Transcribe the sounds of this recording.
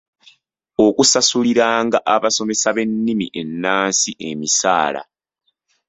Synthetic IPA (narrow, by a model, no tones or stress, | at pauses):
okusasuliɾaːŋɡaʔaβaso̞me̞saβe̞nːimḭʔe̞nːaːnsiʔe̞misa̰ːla̰